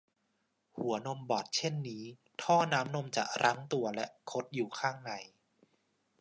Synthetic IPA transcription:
hu˩˦ɐno˧mbɔː˨˩t̪̚t͡ɕʰe˥˩nːiː˦˥ | t̪ʰɔː˥˩naː˦˥mno˧mt͡ɕa̰˨˩ɾʔa˦˥ŋt̪u˧ɐlɛ˦˥ʔkʰo˦˥t̪̚juː˨˩kʰaː˥˩ŋna˧˩j

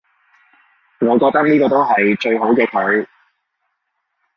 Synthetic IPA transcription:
ŋɔː˨˧kɔː˧k̚t̪ɐ˥k̚niː˥kɔː˧t̪o˥wɦɐ˨jt͡ʃɵ˧ɥɦo˨˥wkɛː˧kʰɵ˨˥ɥ

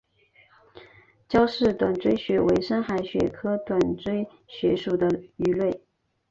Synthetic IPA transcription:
t͡ɕjɑ˥ʊʂɻ̩˥˩t̪wa˨˩nt͡swe˥ɪɕɥɛ˧˥we˧˥ɪʂə˥nxa˧˥ɪɕɥɛ̰˨˩kʰɤ˥t̪wa˨˩nʈ͡ʂwe˥ɪ | ɕɥɛ˧˥ʂu˨˩d̪ə˦y˧˥lwe˥˩ɪ

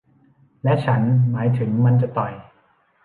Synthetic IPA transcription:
lɛ˦˥ʔt͡ɕʰa˦˥nmaː˩˦jt̪ʰɯ˩˦ŋma˧nt͡ɕa˨˩t̪ɔ˨˩j

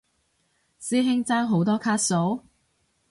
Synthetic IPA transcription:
siː˥ɦɪ˥ŋt͡saː˥ŋɦo˨˥wt̪ɔː˥kʰaː˥t̚so˨˥w

